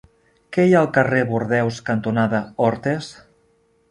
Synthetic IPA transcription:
kɛjaəlˠkəreβuɾðɛwskənt̪unaðəɔɾt̪es

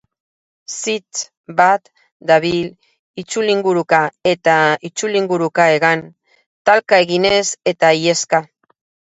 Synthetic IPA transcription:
sit̪ | bat̪ | d̪aβil | it͡ʃuliŋɡuɾukae̞t̪ait͡ʃuliŋɡuɾukae̞ɣan | t̪alkae̞ɣine̞se̞t̪aie̞ska

